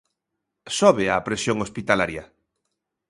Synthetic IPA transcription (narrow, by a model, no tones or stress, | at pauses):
sɔβeapɾesjoŋospit̪alaɾja